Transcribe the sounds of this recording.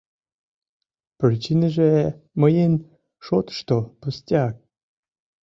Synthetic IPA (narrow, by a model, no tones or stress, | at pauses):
prʲit͡ɕinəʒeməjen | ʃot̪ʃt̪opusʲtʲak̚